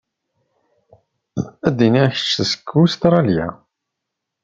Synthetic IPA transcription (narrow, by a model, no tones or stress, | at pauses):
æd̪iniçə̥t͡ʃːəsə̥kʰːust̪ɾˤɑljæ̰